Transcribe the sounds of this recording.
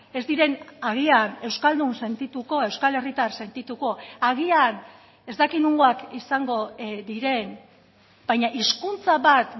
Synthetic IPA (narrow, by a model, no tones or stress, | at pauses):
e̞zd̪iɾe̞naɣ̞iane̞wskald̪unse̞nt̪it̪uko̞e̞wskale̞rit̪arse̞nt̪it̪uko̞aɣian | e̞zd̪akinuŋɡoakisaŋɡo̞ðiɾe̞n | b̥ajɲaʔiskunt͡saβat̪